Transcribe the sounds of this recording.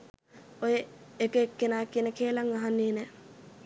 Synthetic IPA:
ojeekəekːenaːkiənəkeːlaŋaɦanːeːnɛ

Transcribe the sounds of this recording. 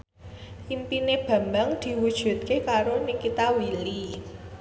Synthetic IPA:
ʔimpineb̥a̤mbaŋd̪̥i̤wud̥ʒ̥ṳt̪̚kekaɾonikːit̪awili

